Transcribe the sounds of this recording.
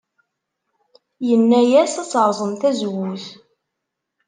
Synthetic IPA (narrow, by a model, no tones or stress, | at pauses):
jənːæjæsæt͡sːɾˤzˤəmθæzwʊθ